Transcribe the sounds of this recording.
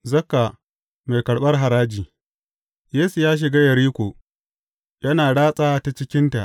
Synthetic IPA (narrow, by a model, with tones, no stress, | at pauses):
zɐ˦kːa˨ | me˨jkɐ˨ɽɓɐ˦rɦa˨ɾaː˦d͡ʒiː˨ | jeː˦su˨jaː˦ʃ̬ɪ˨ɡaː˦jɐ˨ɾiː˦kʷoː˨ | jɐ˦naː˨ɽaː˦sʼaː˦ta˨t͡ʃɪ˦kʲɪ˦nta˨ʔ